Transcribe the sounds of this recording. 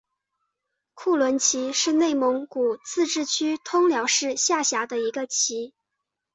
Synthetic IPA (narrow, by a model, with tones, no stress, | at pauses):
kʰu˥˩lwə˧˥nt͡ɕʰi˧˥ʂɻ̩˥˧ne˥˩ɪmʊ˧˥ŋku˨˩t͡sʰɹ̩˥˧ʈ͡ʂɻ̩˥˩t͡ɕʰy˥t̪ʰʊ˥ŋljɑ˧˥ʊʂɻ̩˥˧ɕja˥˩ɕja˧˥d̪ə˧i˧˥ɡə˧t͡ɕʰi˧˥